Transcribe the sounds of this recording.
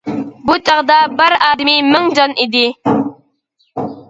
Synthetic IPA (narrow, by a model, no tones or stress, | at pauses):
but͡ʃʼɑʁd̪ɑbɪɾɑːd̪ɪmimɪŋd͡ʒɑnʔid̪ɪ